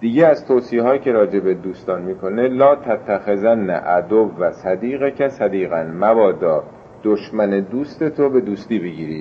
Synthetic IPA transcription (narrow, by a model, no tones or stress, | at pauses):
d̪̥iɟeæzt̪ʰoːsiɦɒːjcʰe̞ɾɒːd͡ʒe̞bed̪uːst̪ɒːnmiːkʰo̞nelɒːt̪ʰæt̪ʰːæxezænːæ̰ʔæd̪ovːæsæd̪iːɣecʰæsæd̪iːɣænmævɒːd̪ɒː | d̪̥oʃmæned̪uːst̪e̞t̪ʰobe̞d̪uːst̪iːbeɟiːɾiː